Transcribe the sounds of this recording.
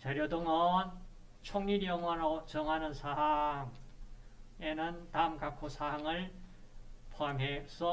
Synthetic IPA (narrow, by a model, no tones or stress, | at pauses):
t͡ɕaɾjodoŋʌn | t͡ɕʰoŋɲiɾjʌŋanot͡ɕʌŋɦanɯnsʰaɦaŋ | enɯnt̪aɯmkakʰosʰaɦaŋɯɭ | pʰoɦamɦesʰʌ